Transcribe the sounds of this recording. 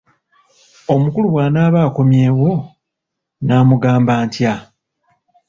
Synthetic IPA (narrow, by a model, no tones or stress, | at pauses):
o̞mukuluwaːnaːβaːko̞mje̞ːwo̞ | naːmuɡaːmbaːntja